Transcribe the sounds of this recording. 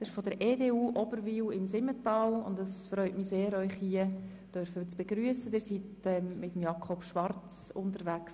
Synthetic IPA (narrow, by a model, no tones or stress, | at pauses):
dɑsɪʃfɔdəɾeːdeːuːʔɔbəɾʋiːlɪmsɪmːətɑːlʊ̰ndɑsfɾœʏtmiseːɾœʏχhiə | d̥œɾfət͡sb̥eɡɾyəsədɪːɾsitɛmɪtəmjɑkʰɔpʃʋɑrt͡sʊntəɾvæks